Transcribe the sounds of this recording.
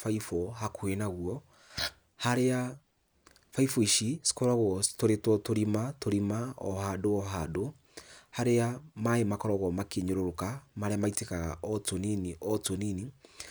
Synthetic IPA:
faifɔɦakʰwenaɣwɔ | haɾea | faifɔiʃisi̥kɔɾaɣɔtoɾetɔtoɾimatoɾimaɔ̰hadoɔɦado | haɾeamaemakɔɾɔɣɔmakeɲoɾoɾokamaɾeamaitekaɣa̰ʔɔtoniniʔɔtonini

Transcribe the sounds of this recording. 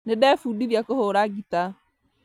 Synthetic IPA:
nedɛfudiɾjakohoɾaɡita

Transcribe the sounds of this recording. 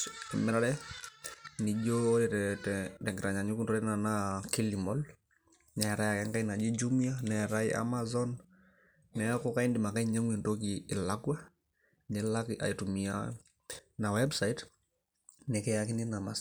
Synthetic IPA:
ɛmɛɾaɾɛ | nid͡ʒoɾɛtɛtɛtɛŋɡɛɾaɲaɲukuntɔɾɛɛnanakilimɔl | nɛɾajakɛŋkainad͡ʒid͡ʒumianɛɾaiʔa̰mazɔnː | ɛkɔkaindimakaiɲaŋwintok̬iːlakwa | nɛlakiʔa̰itumia̰ | nawɛbsait | nɛkɛjakininamas

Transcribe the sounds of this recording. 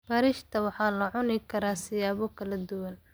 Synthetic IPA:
bɐːɾɪʃt̪ʰɐwɑħɑːlɐʕʊnɪkʰɐɾaːsɪjaːβɔkʰɐlɐd̪ʊwɐn

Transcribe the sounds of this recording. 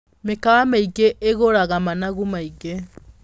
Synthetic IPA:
mekawamaiɡeʔeɣoɾaɣamanaɣumaiɡe

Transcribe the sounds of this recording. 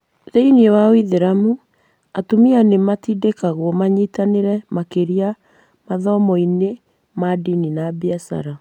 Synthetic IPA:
ðeiniewawiðeɾamu | atomianematiːdekaɣwɔmaɲiːtaneɾɛmakeɾia | maðɔmɔine | madininabiasa̰ɾa

